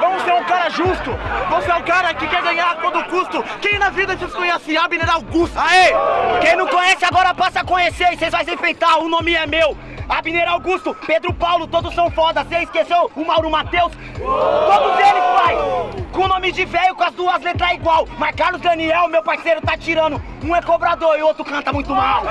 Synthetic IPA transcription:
vɐ̃mʊseɾʊ̃kaɾɐʒust̪ʊvoseɛʊ̃kaɾɐkɪkɛɾɡɐ̃ɲaɾt̪od̪ʊkust̪ʊkẽj̃nɐvid̪ɐzɪskõɲɛsɪabineɾawɡust̪aekẽj̃nɐ̃w̃kõɲɛsɪaɡɔɾɐpasɐkõɲeseɪsejzvajsẽfɾẽnt̪aɾʊnõmɪɛmew | abineɾawɡust̪ʊped̪ɾʊpawlʊt̪od̪ʊsːɐ̃w̃fɔd̪ɐseiskesewʊmawɾʊmat̪ews | kɐ̃d̪ʊzelɪfajskõnõmɪd͡ʒivejʊkõɐzd̪uɐzlet̪ɾaiɡwawmɐskaɾlʊzd̪ɐniɛwʊmewpaɾsejɾʊt̪at͡ʃiɾɐ̃nʊ | ũɛkobɾad̪oɾiowt̪ɾʊkɐ̃nt̪ɐmũj̃t̪ʊmaw

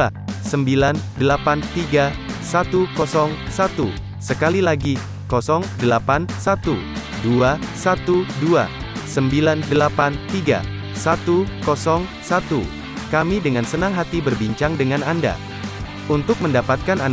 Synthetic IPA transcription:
səmbilandəlapant̪iɡa | sat̪ukɔsɔŋsat̪u | səkalilaɡi | kɔsɔŋdəlapansat̪u | duasat̪udua̰ | səmbilandəlapant̪iɡa̰ | sat̪ukɔsɔŋsat̪u | kamidəŋansənaŋɦat̪ibərbiɲt͡ʃaŋdəŋananda̰ | unt̪ʊk̚məndapat̪̚kana

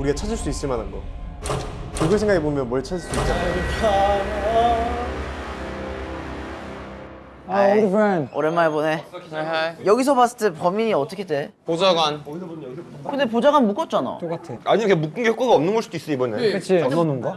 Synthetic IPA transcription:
uɾiat͡ɕʰad͡ʑiɭs͈dois͈ɯɭmanɯnɡʌ | kɯɡʌns̬ʰeŋɡaɡebomjʌnwʌɭt͡ɕʰad͡ʑiɭs͈duit͡ɕ͈a | femʌ̰ɾemːanebone̞ | jʌɡis̬ʰʌbas͈ʌ̥t͈ʰepʌmiɲiʌt͈ʌkʰede̞pod͡ʑaɡan | kɯnde̞p̬od͡ʑaɡanmuk͈ʌt̚t͡ɕ͈ana̰ok͈atʰaɲiɲmeŋkɡemuk̚k͈ɯnɡehok͈oɡaʌmnɯnɡʌɭsud̥ois͈ɯibʌnet͡ɕʰiʌnʌnɯnɡʌ

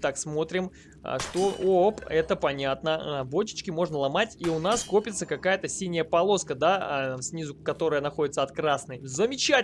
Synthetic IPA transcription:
t̪aksmo̞t̪ɾʲɪm̰ | ʂt̪o̞opɛt̪əpɐnʲat̪nəbot͡ɕɪ̥t͡ɕkʲɪmo̞ʐnəlˠɐmatʲiʊnasko̞pʲɪt̪səkɐkajət̪əsʲinʲɪjəpɐlˠo̞skəd̪afsʲnʲizʊkɐt̪o̞ɾəjənɐxo̞dʲɪt̪səɐt̪kɾasnɨjzəmʲɪt͡ɕæ

